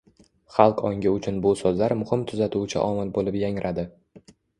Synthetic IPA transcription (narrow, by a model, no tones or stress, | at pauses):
χɑlˠqɒŋɡʲɪʊt͡ʃʰʊnbʊsozlaɾmʊhɪmt̪ʰʊzat̪ʰʊt͡ʃʰɪ̰ʔɒmɪlbolɪpjaŋɾʔad̪ɪ